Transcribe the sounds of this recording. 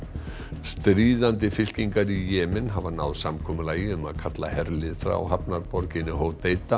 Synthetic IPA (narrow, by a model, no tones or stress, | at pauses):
st̪ɾiːðant̪̬ɪfɪl̥ciŋkaɾijɛːmɪnɦavanawðsamkʰɔːmʏlaːjɪʏma̰ðkʰat̪la̰hɛɾlɪðfɾa̰wɦapnaɾpɔɾcɪnːɪɦoːwt̪eːjt̪a